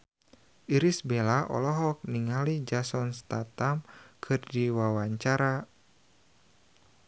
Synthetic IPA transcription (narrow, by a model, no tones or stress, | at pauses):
ʔiɾisbelaʔɔ̰lɔɦɔk̚niŋalid͡ʒasɔnst̪at̪amkʰɨrdiwawaɲt͡ʃaɾa